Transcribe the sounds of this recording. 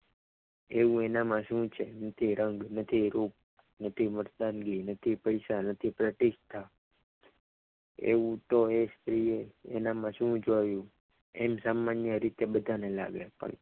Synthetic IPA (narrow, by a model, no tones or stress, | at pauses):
eʋũenamãʃũt͡ʃʰenət̪ʰiɾəŋɡnət̪ʰiɾup̚ | nət̪ʰiməɾd̪anɡinət̪ʰipəjsanət̪ʰipɾəʈiʃt̪ʰːa | ḛʋũt̪oest̪ɾieenamãʃũd͡ʒojũ | ḛmsamːanjəɾit̪ebəd̪ʱanela̰ɡepə̰ɳ